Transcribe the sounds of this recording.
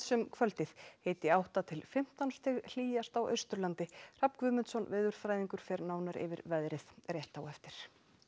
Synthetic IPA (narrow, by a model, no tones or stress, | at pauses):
sɛmkʰvœlt̪ɪθheːjt̪ɪawht̪at̪ʰɪlfɪm̥t̪anst̪ʰɪɣl̥iːjast̪awʔœ̰ɥst̪ʏɾlant̪ɪr̥apkvʏmɪnt̪sɔnvɪːðʏɾ̥fɾajðiŋkʏɾ̥fɛɾnaːwnaɾʔɪ̰vɪ̰ɾvɛðɾɪðrjɛht̪awɛft̪ɪɾ̥